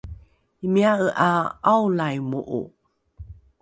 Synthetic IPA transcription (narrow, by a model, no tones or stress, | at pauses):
imiaəʔaawlajmuʔṵ